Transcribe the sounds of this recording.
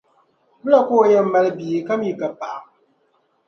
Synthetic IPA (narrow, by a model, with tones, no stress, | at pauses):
bɨ˦la˦˨koː˦˨jɛ˦m̩˦ma˦lɨ˦bi˨ka˦mi˨ka˨pa˨a˨